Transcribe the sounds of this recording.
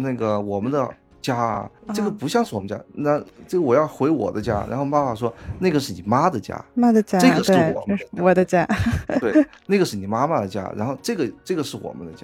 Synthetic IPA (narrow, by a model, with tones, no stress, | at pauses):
na˥˩ɡə˩wɔ˨˩mə˦nd̪ə˧ | t͡ɕja̰˥˧ʈ͡ʂɤ˥˩ɡə˩pu˧˥ɕjɑ˥˧ŋʂɻ̩˥˩wɔ˨˩mə˦n˥t͡ɕja̰˥na˥˩ʈ͡ʂɤ˥˩ɡə˩wɔ˨˩jɑ˥˩ʊxwe˧˥ɪwɔ̰˨˩d̪ə˦t͡ɕja̰˥ɻa̰˧˥xo˥˧ʊpa˥˩pa˥˩ʂ̬wɔ˥na˥˩ɡə˩ʂɻ̩˥˩ni˨˩ma˥d̪ə˨t͡ɕja̰˥ma˥d̪ə˨t͡ɕja˥ɤ˥˩ɡə˩ʂɻ̩˥˩wɔ̰˨˩wɔ˨˩d̪ə˦t͡ɕja˥t̪we˥˩ɪ | na˥˩ɡə˩ʂɻ̩˥˩ni˨˩ma˥ma˧d̪ə˩t͡ɕja̰˥ɻa̰˧˥nxo˥˧ʊʈ͡ʂɤ˥˩ɡə˩ʈ͡ʂɤ˥˩ɡə˩ʂɻ̩˥˩wɔ̰˨˩mə̰˦nd̪ə˧t͡ɕja̰˥